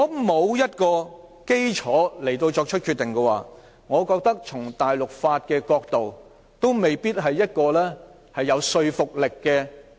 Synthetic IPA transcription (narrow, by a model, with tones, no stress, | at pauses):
ɔː˨˧mo˨˧wjɐ˥t̚kɔː˧ | ke˥jt͡ʃʰɔː˨˥le˨˩jt̪o˧wt͡ʃɔː˧k̚t͡ʃʰɵ˥t̚kʰyː˧t̪ːɪ˨ŋkɛː˧wa̰ː˨ | ŋɔː˨˧kɔː˧k̚t̪ɐ˥k̚t͡ʃʰʊ˨˩ŋt̪aː˨jlʊ˨k̚faː˧t̚kɛː˧kɔː˧k̚t̪o˨w | t̪o˥wme˨jpiː˥t̚ɦɐ˨jːɐ˥t̚kɔː˧lɛː˥ | hɐ˨jːɐ˨˧wsɵ˧ɥfʊ˨k̚lɪ˨kːɛː˧